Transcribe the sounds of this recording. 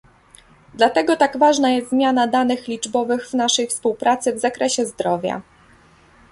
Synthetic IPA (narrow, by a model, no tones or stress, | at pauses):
d̪lat̪ɛɡɔt̪aɡvaʐnajɛst̪zmʲjanad̪anɘxlʲid͡ʐbɔvɘɣvnaʂɛjfspuwpɾat̪sɘvzakɾɛɕɛzd̪ɾɔvʲja̰